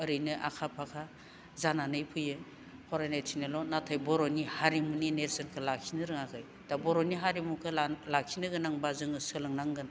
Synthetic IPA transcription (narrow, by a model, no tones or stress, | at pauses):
ɯɾɯjnɯʔa̰kʰapʰakʰa | zananɯjpʰɯjɯ | hʰɔɾajnajtʰinelɔnatʰajbɔɾɔnihaɾimuninesɯnkʰɯlakʰinɯɾɯŋakʰɯj | d̥abɔɾoniɦaɾimukʰɯlakʰinɯɡɯnaŋbazɯŋɯsɯlɯŋnaŋɡɯna